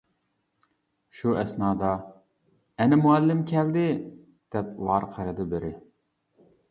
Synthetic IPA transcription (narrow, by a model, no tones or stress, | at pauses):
ʃuɛsnɑːd̪ɑ | ɛnɪmuælːɪmkʲʰɛld̪ɪ | d̪̥ɛp̚lˠɑɾqʰəɾɨd̪ɨbɪɾɪ